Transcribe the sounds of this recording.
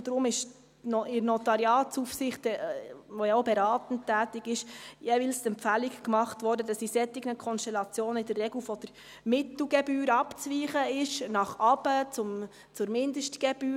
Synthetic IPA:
d̥ɾʊmɪʃ | nɔɪɾnɔtɑɾiɑːtsufsɪχtəʋɔjɑobɛɾɑːtn̩tæːtiɡɪʃjevɪlstɛmpfælikkmɑχtʋɔːɾdəd̥ɑsisɛtɪɡ̥nəkʰɔnʃtɛlɑt͡sjoːnəɪd̥ərːɛɡlfɔd̥əɾ | mɪtl̩ɡɛbyːɾɑpt͡sʋiːχəɪʃnɑχɑbət͡sʊm | t͡sʊɾmɪndəʃtɡ̥ɛb̥yː

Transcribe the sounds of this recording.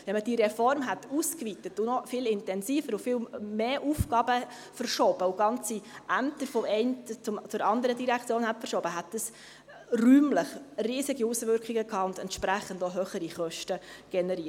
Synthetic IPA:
vɛnməd̥iɾɛfɔɾmɦɛtuskʋit̪ətunɔfɪlɪntɛnsiːfəɾʊfɪːlmeːʔufɡɑːb̥ə | fərʃɔb̥əʊɡ̥ɑnt͡siʔæmt̪əfɔmɛɪntt͡sʊmt͡sʊɾɑnd̪əɾədiɾækχt͡sjoːnhɛtfəɾʃɔːbəɦæt̚dəs | ryːmləχriːsɪɡiusʋʏɾkχiɡəkʰɑːʊnd̪ɛntʃpɾæχːəndoɦøχəɾiχœʃtəɡ̥ɛnɛɾiːət

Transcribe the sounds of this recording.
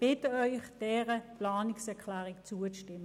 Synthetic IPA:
b̥ɪtəœʏχd̥ɛːʁəplaːnɪksɛɐkʰlɛːʁɪkt͡suəʃtɪmə

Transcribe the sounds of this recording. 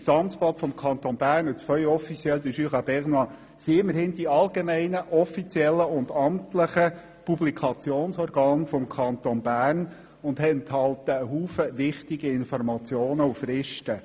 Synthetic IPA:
sɑnt͡spɑtfɔmkʰɑnt̪onbæːrnət͡sfœlɔfit͡sjɛld̪əʃyːχɑbɛʁnɑ | siɪmːəɾhɪnd̥̪iɑlɡemɛɪnəʔɔfit͡sjɛlːəʊnd̪ɑmtləχə | publikʰɑt͡sjoːnsɔːɾɡ̥ɑːnfɔmkʰɑnt̪onbæːrn | ʊnd̪ɛnt̪hɑlt̪əːɦuːfəʋɪχt̪iɡiɪnfɔrmɑt͡sjoːnəufɾɪʃtə

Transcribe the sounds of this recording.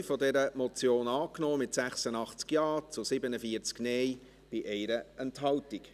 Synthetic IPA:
fɔdɛɾəmɔt͡sjoːnɑːknɔːmɪtsæχsənɑχt͡skjɑːt͡sʊsɪbənəfiəɾt͡sknɛj | b̥ɪʔɛɪɾəɛntɦɑltik

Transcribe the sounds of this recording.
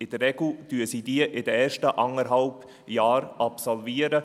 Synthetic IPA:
ɪd̥̪əɛɡl̩d̥̪yːəsiːd̪iəʔɪd̪əɛːɾʃtəʔɑŋəɾɦɑlp | jaːɾɑpsɔlviːəɾə

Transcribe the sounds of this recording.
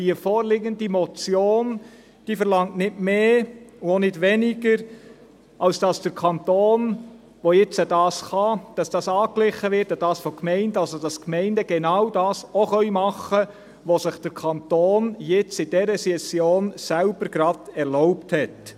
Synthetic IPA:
d̥iəfoːɾlɪɡəndimɔt͡sjoːn | d̥iːfəɾlɑŋtnɪtmeːuonɪdʋɛnɪɡəɾ | ɑlsd̥ɑsd̥əɾkʰɑntoːn | ʋojɪt͡sədɑːsχɑd̥ɑsd̥ɑsɑːklɪχəʋɪɾtəd̥ɑːsfokmɛɪndɑlsod̥ɑskmɛɪndəɡɛnɑwdɑːsoχœʏmɑχə | ʋosɪχd̥əɾkʰɑntoːnjɪt͡sɪd̥ɛɾəsɛsjoːnsælb̥əɾɡɾɑd̥ɛɾlɔʊpthɛt

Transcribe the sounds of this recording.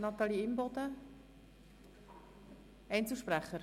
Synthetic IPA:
nɑt̪ɑliɪmbɔdə | ɛnt͡suʃpræχəɾ

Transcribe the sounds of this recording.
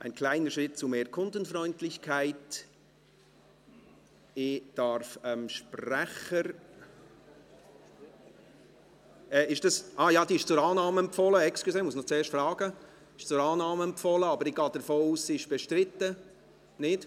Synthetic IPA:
ʔaɪnkʰlaɪnəʃɾɪt̚t͡sʊmeːɾkʰʊndənfɾɔʏntlɪçkʰaɪt | ɪd̥ɑɾfəmʃpɾæχəɾ | ɛːɪʃd̥ɑsʔɑːjɑːd̥iɪʃt͡sʊɾɑːnɑːməɛmpfɔləɛksklusɛːmʊsnot͡seːɾʃtfɾɑːɡ̥ə | ɪʃt͡sʊɾɑːnɑːməɛmpfɔləɑbəɾɪɡɑːd̥əɾfoːuːssiɪʃb̥ɛʃtɾɪtːə | nɪd̥

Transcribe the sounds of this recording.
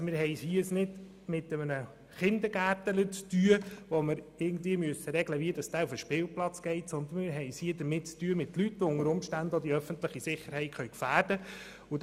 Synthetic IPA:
mɪːɾɦɛjshiːsnɪd | mɪtəmənə | χɪnd̪əɾɡ̥æːtələt͡styəʋɔməɾɪɡn̩d̪viəmyəsəɾɛɡləʋiədɑsd̥æːufəʃpɪːlplɑt͡sɡ̥ɛɪt̪sɔnd̪ən̩mɪɾɦɛɪshiəd̥̪əɾmɪt̚t͡styːəmɪtlytːoʊŋəɾʊmʃtændɔd̥̪iœfəntləχisɪχːəɾhɛɪtχœɥkfæːɾdə | u

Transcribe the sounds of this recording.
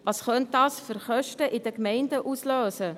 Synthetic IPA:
vɑsχœnt̚dɑːsfʏɾχœʃtəʔɪdəkmɛɪndəʔusløːsə

